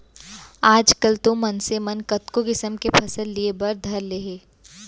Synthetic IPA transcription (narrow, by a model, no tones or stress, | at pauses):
aːd͡ʒkəlt̪omɐnsemɐnkɐt̪kokɪsəmkepʰɐsəlːiebɐɾd̪ʱɐɾleːɦeː